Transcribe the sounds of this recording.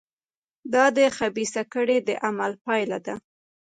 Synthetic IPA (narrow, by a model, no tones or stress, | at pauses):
d̪ɑd̪əxabisakəɽed̪əʔamalpɑjlad̪a